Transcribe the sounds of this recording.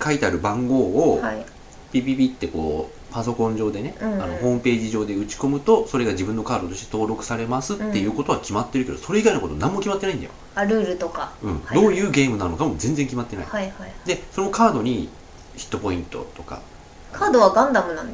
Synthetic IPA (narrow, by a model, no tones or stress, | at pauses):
kait̪e̞aɾɯ̟bãŋɡo̞ːohai | pʲiːbʲiːbʲit̪ːe̞ko̞̰ː | paso̞kõ̞ɲ̟d͡ʑo̞ːd̪e̞nẽ̞ano̞ɦo̞ːmɯ̟pe̞ːʑiʑo̞ːd̪e̞ɯ̟t͡ɕi̥ko̞mɯ̟t̪o̞so̞ɾe̞ɡaʑibɯ̟̃nːo̞kaːd̪o̞t̪o̞ɕit̪e̞t̪o̞ːɾo̞kɯ̟saɾe̞masɨt̪ːe̞jɯ̟ːko̞t̪o̞βakʲimat̪ːe̞ɾɯ̟ke̞d̪o̞so̞ɾeiɡainoko̞t̪o̰nãmːo̞kʲimat̪ːe̞naind̪a̰jo | aɾɯ̟ːɾɯ̟t̪okaɯ̟̃ɴd̪oːjɯ̟ːɡe̞ːmɯ̟nanɯnokamo̞zẽ̞nd͡zẽ̞ŋkʲimat̪ːe̞na̰ḭd̪e̞sono̞kaːd̪o̞ɲ̟i | çi̥t̪ːo̞po̞ĩnt̪o̞̰t̪o̞ka̰ | kʰaːd̪oβaɡãnd̪amɯ̟nãn